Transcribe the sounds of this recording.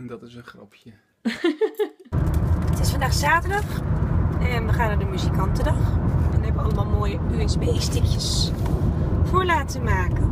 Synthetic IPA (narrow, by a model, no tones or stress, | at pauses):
dɑtɪsənχrɑ̰pʰjə | ətɪsfɑndaːxsaːtədɑx | ɛnʋəxaːnaːdəmyzikɑntədɑxɛnɛbəʋəɑlˠəmaːlˠmoːjəyənsbejstɪkjəs | fʊːɹlaːtəmaːkən